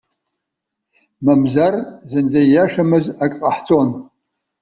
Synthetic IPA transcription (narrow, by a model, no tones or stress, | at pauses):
mamzarzɨnd͡zajaʂamɨzakʼqʼaħt͡sʼon